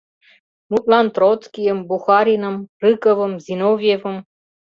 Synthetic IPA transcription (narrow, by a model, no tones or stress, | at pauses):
mut̪lant̪rot̪skʲijəmbuxɑɾinə̆mrɨkəvə̆mzinovʲjevəm